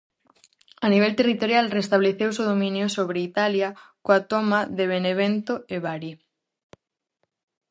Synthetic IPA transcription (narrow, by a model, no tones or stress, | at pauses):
aniβ̞elt̪erit̪oɾjalrest̪aβleθewsoðomĩnjosoβ̞ɾeit̪aljakoat̪omaðeβ̞eneβ̞ent̪oeβaɾi